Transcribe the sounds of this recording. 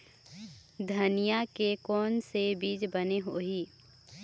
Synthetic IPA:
d̪ʱənijakekɔːnsebiːd͡ʒbəneɦoːɦiː

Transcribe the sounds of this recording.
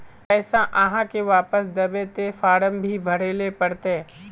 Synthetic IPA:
ɛːsãʔɐɦãkeʋaːpəsd̪ɐbet̪efaːɽəmbʱibʱɐɽeːlepɐɽt̪e

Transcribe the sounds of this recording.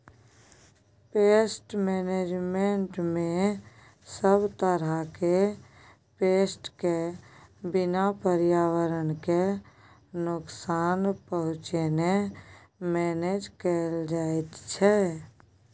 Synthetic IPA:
peːsʈmeːneːd͡ʒmẽɳʈmẽ | səbt̪əɾake | peːsʈke | bɪnapəɾɪjaːwəɾənke | nʊksaːnpəɦʊ̃t͡ʃene | mɛːneːd͡ʒkəld͡ʒaːet̪t͡ʃʰɛ

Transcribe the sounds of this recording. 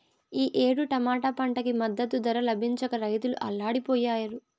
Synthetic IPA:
iːʔe̞ːɽuʈɐmaːʈɐpɐɳʈɐkimɐd̪ːɐt̪ud̪ɐɾɐlɐbʱiɲt͡ʃɐkɐɾɐjt̪uluʔɐ̰lːaːɽipɔːjaːjɐɾu

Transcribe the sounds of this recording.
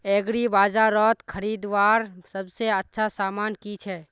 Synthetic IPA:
ɛːɡɾibaːd͡ʒaɾɔːt̪kʰəɾiːd̪ʋaːɾsɐbseɐtːʃʰasaːmaːnkit͡ʃʰɛː

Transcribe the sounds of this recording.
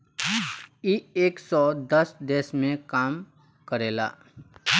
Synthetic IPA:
ieːksɔd̪əsd̪eːsmẽkaːm | kəɾela̰ː

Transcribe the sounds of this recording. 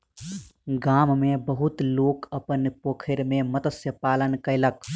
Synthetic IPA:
ɡaːmmẽbəɦʊt̪loːkɐpənpoːkʰɪɾmẽmɐt̪əsjəpaːlənkəɪlək

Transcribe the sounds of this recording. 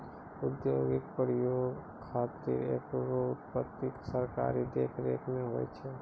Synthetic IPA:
ʊd̪joːɡɪk̚pɾəjoːɡ | kʰːaːt̪ːḭɾḛːkɾoʊt̪pət̪ːiksəɾka̰ːɾid̪eːkʰɾḛːkʰmẽɦoːɛ̰t͡ʃʰe

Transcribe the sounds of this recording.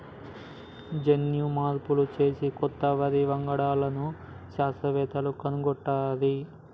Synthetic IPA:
d͡ʒenjumaːɾpulut͡ʃe̞ːsikɔt̪ːɐʋɐɾiʋɐŋɡɐɽaːlɐnu | ʃaːsɐʋɛːt̪ɐlukɐnuɡɔʈːaːɾi

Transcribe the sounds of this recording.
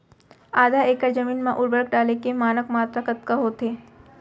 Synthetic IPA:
aːd̪ʱaeːkəɾd͡ʒɐmiːnmãʔʊɾbəɾək̚ɖaːlekemaːnəkmaːt̪ɾakət̪̚kaɦot̪ʰeː

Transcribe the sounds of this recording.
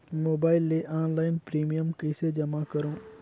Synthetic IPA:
moːbaːɪlːeʔaːnlaːɪnpɾiːmijəmkɪsed͡ʒɐmakɐɾõː

